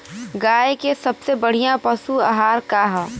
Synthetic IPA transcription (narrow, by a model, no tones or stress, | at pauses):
ɡaːekesɐbsebɐɽ̤ijãpɐsuaɦaːɾkaɦ